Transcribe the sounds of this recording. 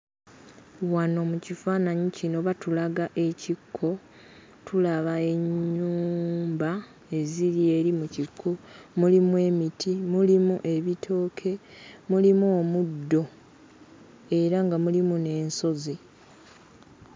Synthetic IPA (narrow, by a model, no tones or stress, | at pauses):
wano̞mucifaːnaɲicino̞βatulaɡaʔe̞cikʰːo̞ | tʰulaβae̞ɲːuːmba | e̞ziɾie̞ɾimucikʰːomulimwe̞ːmitimulimuʔe̞βitʰo̞ːkʰe̞mulimuomudːo̞ | e̞ɾaŋɡamulimune̞ːnso̞zi